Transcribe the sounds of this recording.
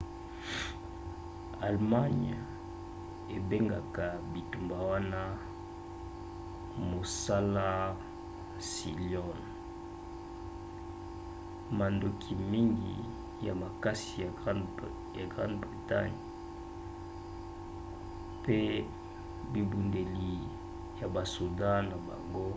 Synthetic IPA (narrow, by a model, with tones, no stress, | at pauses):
a˨lma˦ɲ | e˨be˦ŋɡa˨ka˨bi˨tu˨mba˨wa˦na˦ | mo˨sa˦la˦˨ | si˨ljɔ˦n | ma˨ndo˨kʰi˨mi˦ŋɡḭ˨ | ja̰˨ma˨ka˦si˨ja˨˦ | ja˨ɡʁã˦ndbʁi˨ta̰˦ɲ | pe˦ | bi˨bu˨nde˨li˨ | ja˨ba˨su˨dã˦na˨ba̰˨ŋɡo˦